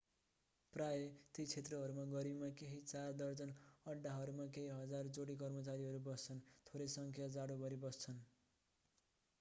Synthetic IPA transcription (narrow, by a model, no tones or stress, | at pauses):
prajet̪it͡sʰet̪rʌɦʌɾumaɡʌɾibmakeɦit͡sard̪ʌrd͡zʌnʌɖːaɦʌɾumakeɦiɦʌd͡zard͡zoɽikʌrmʌt͡saɾiɦʌɾubʌst͡sʰʌnt̪ʰoɾʌjsʌŋkʰjad͡zaɽobʱʌɾibʌst͡sʰʌn